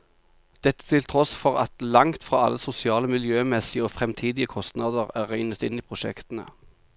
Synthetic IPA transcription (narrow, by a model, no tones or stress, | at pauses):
d̪̥ɛt̪ːə̥t̪ʰɪlt̪ʰʁɔsfɔʁɑt̪lɑŋt̪fʁɑ̰ːɑ̰lːəsʊsɪɑːləmɪljøːmɛsɪəoːfʁɛmt̪ʰiːd̪ɪəkʰɔst̪nɑd̪əʁæːʁæɪʏnət̪ɪniːpʰʁʊʃɛ̰kt̪ənə̰